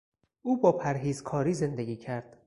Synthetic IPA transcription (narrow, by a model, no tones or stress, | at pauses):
ʔuːbɒːpʰæɾɦiːzkʰɒːɾiːze̞nd̪eɡʲiːcʰæɾd̪̥